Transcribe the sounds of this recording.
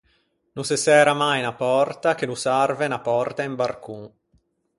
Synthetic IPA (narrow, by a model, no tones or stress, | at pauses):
nusesɛːɾamajnapɔrt̪ak̟enusarvenapɔrt̪aimbarku